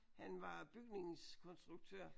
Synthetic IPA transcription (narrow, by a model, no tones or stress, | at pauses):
hænʋɑ̈b̥yɡ̥ne̝ŋ̩skʰɔ̽nsd̥ʁuɡ̥̚t͡sʰø̰ɐ̰